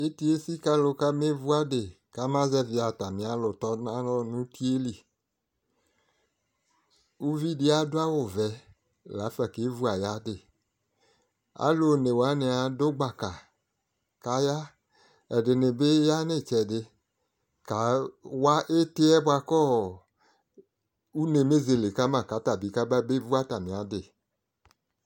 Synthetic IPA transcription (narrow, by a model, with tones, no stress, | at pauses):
e˦t̪i˦e˦si˦ka˦lo˨ka˦me˦vu˦a˦de˨ | ka˦mã˦zɛ˦vɪ˨˦a˨t̪a˨mĩ˨˦a˨˦lʊ˨t̪ɔ˦nã˦lɔ˦nũ˦ti˦e˦li˨ | u˦vi˦de˦a˦do˦a˦wo˨vɛ˨˦ | la˨˦fɛ˨ke˦vu˦a˨ja˦dɪ˨ | a̰˦lo˨ne˨wa˦ne˨a˨do˦ɡ͡ba˨ka˨ | ka˨˦ja˦ | ɛ˨dɪ˨nɪ˨be˦ja˦nɪ˦˨t͡ʃɛ˨dɪ˧ | ka˨˦wa˦ʔe˦tɪ˦ɛ˦bʊ˦a˧kɔ˦˨ | u˦ne˨me˦ze˨le˨ka˦mã˦˨ka˨˦ta˨bi˨˦ka˦ba˦be˦vu˦a˦ta˨mɪ̃˨a˨˦dɪ˦˨